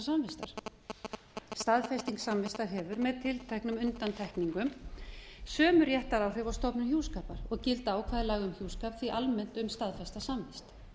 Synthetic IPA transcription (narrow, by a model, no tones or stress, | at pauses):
samvɪst̪aɾ̥ | st̪aðfɛst̪iŋksamvɪst̪aɾ̥ɦɛːvʏɾmɛðt̪ʰɪlt̪ʰajhknʏmʏnt̪ant̪ʰɛhkniŋkʏm | sœːmʏɾjɛht̪aɾawr̥ʏvɔst̪ɔpnʏçjuːskaːpaɾɔɣcɪlt̪aːwkʰvaːðɪɾlaːɣʏmçjuwskaːpθviʔalmɛnt̪ʏmst̪aðfɛst̪asamvɛst̪